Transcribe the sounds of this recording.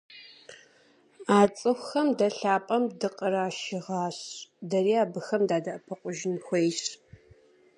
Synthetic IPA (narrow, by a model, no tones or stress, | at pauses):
aːt͡sʼɨxʷxɐmdɐɬaːpʼɐmdɨqʼəɾaːʃɪʁɑːɕdɐriːaːbɨxɐmdaːdɐʔɐpʰɐqʷʼʊʒɪnxʷejɕ